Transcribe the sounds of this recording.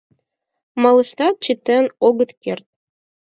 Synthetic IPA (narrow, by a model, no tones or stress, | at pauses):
mɑlˠɤ̆ʃt̪ɑt̪̚t͡ɕit̪ːɘnoɡɤ̆t̪kert̪̚